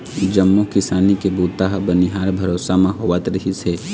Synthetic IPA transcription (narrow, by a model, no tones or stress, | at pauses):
d͡ʒɐmːukɪsaːnikebuːt̪aɦbɐniɦaːɾbʱɐɾoːsamãɦoʋət̪ɾɐɦiseː